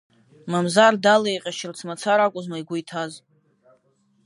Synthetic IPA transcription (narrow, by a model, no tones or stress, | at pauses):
mamzardalejqʲʼaʃɪrt͡sʰmat͡sʰaɾakʷʼʊzmajɡʷʊjtʰaz